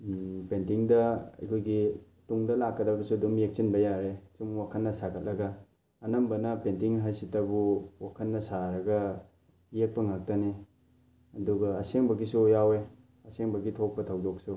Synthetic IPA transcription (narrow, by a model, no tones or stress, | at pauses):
pentiŋdɐɐ̰jkʰojɡi | tuŋdɐlakːɐdɐbɐsudumjek̚t͡ʃinbɐjaɾesumwakʰɐnːɐsakʰɐt̚lɐɡɐː | nɐmbɐnɐpentiŋɦajsitɐbuwakʰɐnːɐsaɾɐɡɐ | jek̚pɐŋak̚tɐni | ɐduɡɐːseŋbɐɡisujawe | ɐseŋbɐɡitʰok̚pɐtʰɐwdok̚su